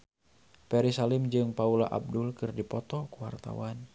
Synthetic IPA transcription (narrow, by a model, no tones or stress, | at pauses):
pɛɾisalimd͡ʒɨŋpaulaʔa̰b̚dulkɨrdipɔt̪ɔkuwa̰rt̪a̰wan